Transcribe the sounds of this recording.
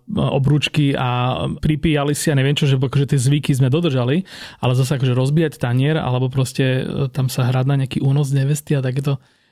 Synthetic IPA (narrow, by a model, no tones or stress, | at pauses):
ɔ̰bɾuːt͡ʃkiapɾipiːjalisiaɲɛʋɪɛmt͡ʃɔʒɛakɔʒɛt̪ɪɛzʋikizmɛd̪ɔd̪r̩ʒaliʔa̰lɛzas̬aakɔʒɛɾɔzbiːjact̪aɲɪɛɾa̰lɛbɔp̬ɾɔscɛt̪amsaɦɾad̪naɲɛakiːʔuːnɔzɲɛʋɛst̪iat̪ak̬ɛːt̪ɔ